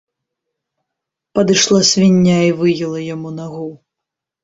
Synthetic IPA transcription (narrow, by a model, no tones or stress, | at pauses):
pɐd̪ɨʂlˠasʲvʲinʲːaivɨjilˠɐjamunaɣɔw